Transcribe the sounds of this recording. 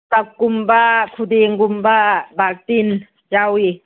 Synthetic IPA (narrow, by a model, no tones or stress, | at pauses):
takːumbakʰud̪eŋɡumbabak̚t̪in | jawi